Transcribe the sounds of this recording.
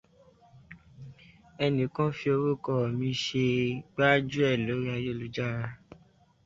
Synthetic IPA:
ɛ˧nĩ˨˦kɔ̃˦fi˧˦o˧ɾo˦kɔ˦˨mĩ˧˦ʃe˧ɡ͡ba˦d͡ʒu˦ɛ˦˨lo˨˦ɾi˦a˧jo˦˨lu˨˦d͡ʒa˦˨ɾa˧

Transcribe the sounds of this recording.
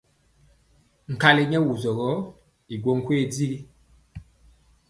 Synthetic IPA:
ŋ̩˨ka˦le˨ɲɛ˦wu˨zɔ˨ɣɔ˨˦ | i˨ɡo˦ŋ˦kwe˦˨d͡zi˦ɣi˦

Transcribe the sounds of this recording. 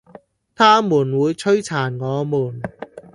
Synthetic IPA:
t̪ʰaː˥muː˨˩nwuː˨˧jt͡ʃʰɵ˥ɥt͡sʰaː˨˩nŋɔː˨˧muː˨˩n

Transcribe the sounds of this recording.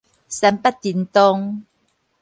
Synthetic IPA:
sa˧˥mpa˦˥t̚t̪ːi˨˧nt̪o˧ŋ

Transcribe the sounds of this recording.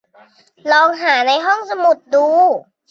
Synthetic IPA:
lɔː˧ŋɦaː˩˦na˧jɦɔ˥˩ŋsa˧mu˨˩t̪̚duː˧

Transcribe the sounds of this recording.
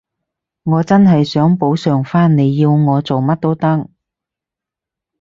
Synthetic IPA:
ŋɔː˨˧t͡sɐ˥nɦɐ˨jsœː˨˥ŋpo˨˥wsœː˨ŋfaː˥nne˨˧jːiː˧wŋɔː˨˧t͡so˨wmɐ˥t̚t̪o˥wt̪ɐ˥k̚

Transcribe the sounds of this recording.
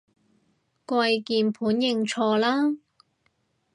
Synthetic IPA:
kwɐ˧jkiː˧npʰuː˨˥njɪ˧ŋt͡sʰɔː˧laː˥

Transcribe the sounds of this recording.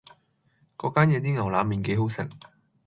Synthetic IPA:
kɔː˨˧˥kaː˥njɛː˨˧t̪̬iː˥ŋɐ˨˩wlaː˨˧miː˨˩nke˨˥jɦo˨˥wsɪ˨˩ŋ̚

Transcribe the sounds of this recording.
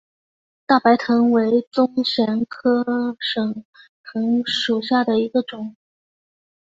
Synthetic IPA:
t̪a˥˩pa˧˥ɪt̪ʰɤ˧˥ŋwe˧˥ɪt͡sʊ˥ŋɕjɛ˧˥nkʰɤ˥ʂɤ˨˩ŋ | t̪ʰɤ˧˥ŋʂu˨˩ɕja˥˩d̪ə˩i˧˥ɡə˧ʈ͡ʂʊ˨˩˦ŋ

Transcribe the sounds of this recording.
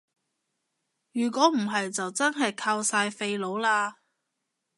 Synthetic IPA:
jyː˨˩kɔː˨˥m̩˨˩ɦɐ˨jt͡sɐ˨wt͡sɐ˥nɦɐ˨jkʰaː˧wsaː˧jfe˧jlo˨˧wlaː˧

